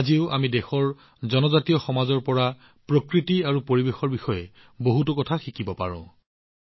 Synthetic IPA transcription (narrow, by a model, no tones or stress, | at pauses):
aziʊʔamidexɔɹ | zɔnɔzatijɔxɔmazɔɹpɔɹa | pɹokɹitiaɹupoɹibexɔɹbixɔjɛ | boɦutʊkɔtʰaxikibɔpa̰ɹɔ̰̃